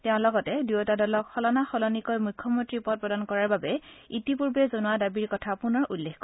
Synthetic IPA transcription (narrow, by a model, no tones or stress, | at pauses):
tɛʊ̃lɔɡɔtɛdujɔtadɔlɔkxɔlɔnaxɔlɔnikɔjmujkʰːɔmɔntɹipɔt̚pɹɔdankɔɹaɹbabɛitipuɹbɛzonuwadabiɹkɔtʰapunɔɹʔulːexkɔ